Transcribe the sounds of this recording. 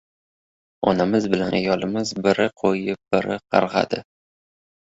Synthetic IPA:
ɒnamɪzbɪlanajɒlɪmɪzbɪɾɪqʰojɪp̚b̥ɪɾɪqʰɑ̰ɾʁɑ̰d̪ɪ

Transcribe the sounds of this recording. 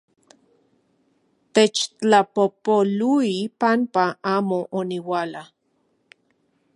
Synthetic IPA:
t̪et͡ʃt͡ɬapopoluipampaʔaːmoʔoniwaːla

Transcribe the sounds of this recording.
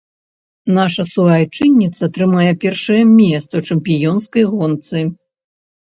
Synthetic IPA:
naʂɐsuajt͡ʂɨnʲːit̪sɐt̪ɾɨmajɛpʲɛrʂɐjɛmʲɛst̪sɐt͡ʂɛmpʲijɔnskɐjɣɔnt̪sɨ

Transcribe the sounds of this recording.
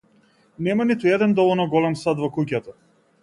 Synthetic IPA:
nɛmanit̪uɛd̪ɛnd̪ɔvɔlˠnɔɡɔlɛmsad̪vɔkuc̬at̪a

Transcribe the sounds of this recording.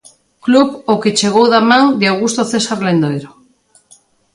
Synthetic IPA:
kluβoket͡ʃeɣ̞owðamãŋd̪eawɣust̪oθesaɾlẽnd̪ojɾo

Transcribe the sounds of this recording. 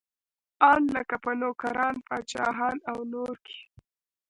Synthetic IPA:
ɑnləkapənokaɾɑnpɑt͡ʃɑ̰ɦɑnawnoɾkʰe̥

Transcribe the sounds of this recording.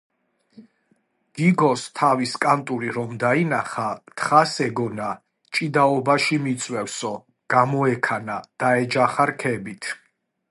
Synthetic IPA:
ɡ̥iɡɔst̪ʰaviskʼant̪ʼuɾiɾɔmd̪ainaχat̪ʰχasɛɡɔna | t͡ʃʼid̪aɔbaʃimit̪sʼwɛfsɔ | ɡ̥amɔɛkʰanad̪̥aɛd͡ʒaχaɾkʰɛbit̪ʰ

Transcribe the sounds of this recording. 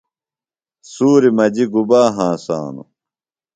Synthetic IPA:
suːɾimɐd͡ʑiɡubaːɦãːsa̰ːnṵ

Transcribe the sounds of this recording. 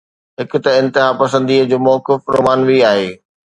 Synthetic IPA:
ɦɪkʊ̆t̪ɐɪ̃nt̪ɪɦaːpɐsə̃nd̪iːəd͡ʑoːmɔːkɪfɾo̰ːmaːnʋiaːɦeː

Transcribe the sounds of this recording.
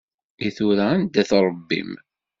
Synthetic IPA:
iθuɾæænd̪æθɾˤəbːḭm

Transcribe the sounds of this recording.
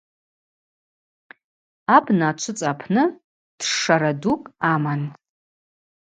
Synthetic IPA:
abnat͡ʃʷʰʊt͡sʼapʰnɨ | d̥ʂaɾadukʼaman

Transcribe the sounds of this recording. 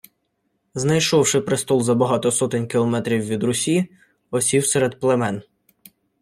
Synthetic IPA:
znɐjʃɔwʂɪpɾɪst̪ɔlˠzɐbɐɦɑt̪ɔsɔt̪ɪnʲkʲilˠɔmɛt̪ɾʲiwːʋʲid̪ɾʊsʲi | ɔsʲiwseɾed̪plˠemɛn

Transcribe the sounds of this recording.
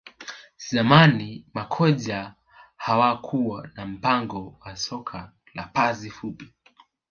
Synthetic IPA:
zamanimakʰɔʄa | hawakʰuwanam̩paŋɡɔwasɔkʰa | la̰pazifupi̥

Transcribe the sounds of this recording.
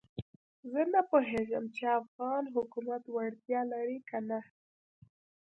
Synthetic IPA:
zənapoɦeʒəmt͡ʃeafɣɑnɦʊkumat̪waɽt̪jɑlaɾikana

